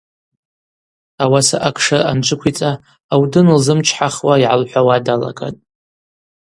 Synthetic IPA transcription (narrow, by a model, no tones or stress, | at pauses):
awasaʔakʼʰʂaant͡ʃʷʰʼɨkʷʰit͡sʼaː | wdɨnlzɨmt͡ʃʰħaχwaiʕalħʷawadala̰kʼa̰tʼ